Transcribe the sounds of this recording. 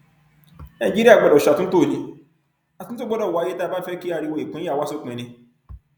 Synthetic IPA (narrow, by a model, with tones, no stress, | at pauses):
nã˨d͡ʒi˦ɾi˦a˦˨ɡ͡ba˨dɔ˨ʃa˨tũ˦n̩˦to˦˨li˧ | a˨ũ˨˦to˦ɡ͡bɔ˦dɔ˦˨a˨˦je˦ta˦˨ba˦fɛ˦ki˦a˧˨ɾi˧wo˧˨i˨k͡pũ˨˦a˦˨wa˦so˦˨k͡pẽ˨nĩ˧